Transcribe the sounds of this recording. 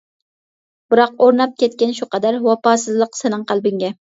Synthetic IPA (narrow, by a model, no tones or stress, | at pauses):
b̥ɨɾɑqoɾnɑp̚kʲɛt̪̚kʲɛnʃuqɑd̪æɾwɑpɑːsɨzlˠəqsɪnɨŋqʰælˠbɪŋɡʲɛ